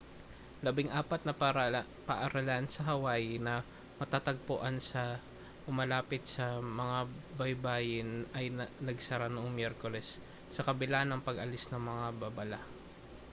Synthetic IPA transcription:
lɐbɪŋʔaːpɐt̪̚nɐpaɾa | pɐʔɐɾɐlansɐɦɐwaːjɪnɐ | mɐt̪at̪ɐɡ̚poʔansɐ | ʊmɐlaːpɪt̪̚sɐmɐŋabɐjbaːjɪnɐjnɐɡsɐɾanoʔoŋmjɛɾkolɛsː | ɐkɐbɪlanɐŋpɐɡʔɐlɪsnɐŋmɐŋababɐla

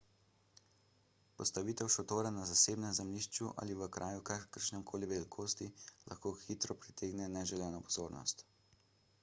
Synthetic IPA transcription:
pɔ̰st̪aʋit̪ɛwʃɔt̪oːɾanazaseːbnɛmzɛmliːʃt͡ʃuʔa̰liʋəkɾʔaːjukakəɾʃnɛmkʰoːliʋɛlikʰoːst̪ila̰xkoːxit̪ɾɔpɾit̪ʰeːɡnɛnɛʒɛlɛːnɔpɔzoːɾnɔ̰st̪

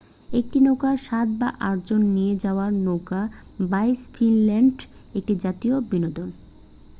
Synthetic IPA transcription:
ek̚ʈinokaʃat̪̚ba̰ʔaʈd͡ʑonːijed͡ʑaoaɾnokabajsfinlɛɳɖek̚ʈid͡ʑat̪iobinod̪on

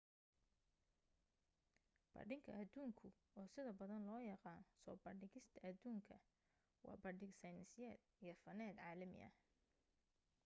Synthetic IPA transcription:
b̥ɐ̰rɖɪŋkʰɐ̰ʔɐd̪uːŋkʰʊ | ɔːsɪðɐbɐðɐnlɔːjɑqɑːnsɔːbɐɖɪɣɪst̪ʰɐɐd̪uːŋkʰɐ | wɑ̰ːbɐɖɪɡsɐjnnsɪjɛːd̪̥ijɞfɐnɛːd̪ʕaːlɐmɪ̰ɐ̰

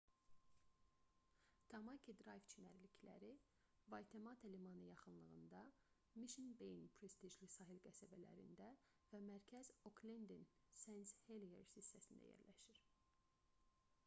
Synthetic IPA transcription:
t̪ʰɑmɑkʰid̪ɾɑjvt͡ʃʰinæɾlicʰlæ̰ɾi | vɑjt̪ʰemɑt̪ʰelimɑnɯjɑχɯnlˠɯɣɯnd̪ɑ | miʃinbejnpʰɾest̪iʒlisɑɦilɡæsæbælæ̰ɾḭnd̪æ | væmæɾcʰæzokʰlend̪in | sensheliḛɾsisːæsind̪æ̰jḛɾlæʃiɾ̥

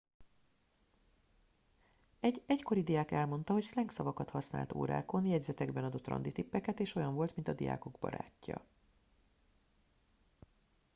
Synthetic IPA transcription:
ɛɟɛcko̞ɾid̪ijaːkɛlmo̞n̪t̪ɒɦo̞cslɛŋksɒvɒkɒt̪hɒsna̰ːlt̪o̰ːɾa̰ːko̞njɛɟzɛt̪ɛɡbɛnɒd̪o̞t̪ːrɒ̰nd̪it̪ipːɛkɛt̪eːʃo̞jɒɱvolt̪mint̪ɒd̪ija̰ːko̞ɡbɒ̰ɾa̰ːcːɒ̰

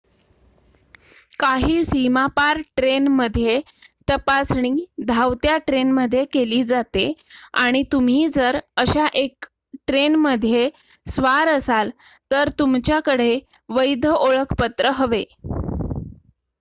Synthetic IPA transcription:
kaɦiːsimapaɾʈɾenməd̪ʱje | t̪əpasɳ̃id̪ʱawt̪jaʈɾenməd̪ʱːjekeliːd͡zat̪eaɽ̃it̪um̤iːd͡zəɾəɕaʔek | ʈɾenməd̪ʱːje | sʋaɾəsal | t̪əɾt̪umt͡ɕjakəɽe | ʋəjd̪ʱəoɭəkʰpət̪ɾəɦəʋe

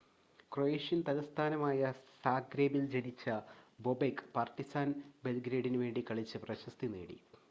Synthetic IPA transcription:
krojeːʂjɐnt̪ɐlɐst̪ʰaːnɐmaːjɐsaːɡɾeːbild͡ʑelit͡ɕːɐbobekːpaːrt̪isaːnbe̞lɡɾeːɽinʋe̞ːɳɖikɐɭit͡ɕːɨprɐɕɐst̪inḛːɽḭ

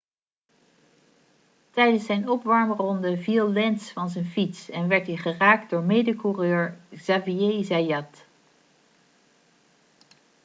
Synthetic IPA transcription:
tɛjdənsɛjnɔpʋɑɹmrɔndəvilˠlɛnsfɑnzɛjnfitsɛnʋɛɹtɦiχəraːk̚dʊːɹmejdəkurøːɹz̥aviezajɑt

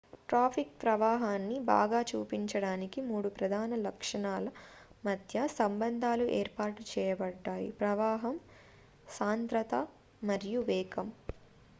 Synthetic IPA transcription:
ʈɾaːpʰik̚pɾɐʋaːɦaːnːiba̰ːɡaːt͡ʃuːpiɲt͡ʃɐɽaːnikimuːɽupɾɐd̪ʱaːnɐlɐkʂɐɳaːlɐmɐd̪ʱjɐsɐmbɐnd̪ʱaːluʔeːɾpaːʈut͡ʃɛːjɐbɐɖːaːjḭpɾɐʋaːɦɐm | saːnt̪ɾɐt̪ɐ | mɐɾijuʋɛːkɐm

